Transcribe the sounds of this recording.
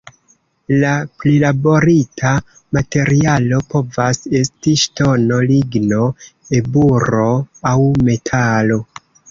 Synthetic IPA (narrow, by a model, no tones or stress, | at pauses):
laplilabo̞ɾitʰa | mate̞ɾialo̞po̞vase̞stiʃto̞no̞liɡno̞e̞buɾo̞awme̞tʰalo̞